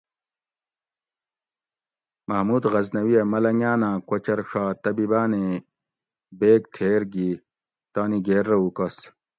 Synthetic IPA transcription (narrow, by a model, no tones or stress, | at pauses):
mɐɦmuːd̪ɣɐznɐwijɐmɐlɐŋaːnãːkwɐt͡ɕɐɾʂaːt̪ɐbibaːne | beːkt̪ʰeːɾɡi | t̪aːniɡeːɾːɐukɐs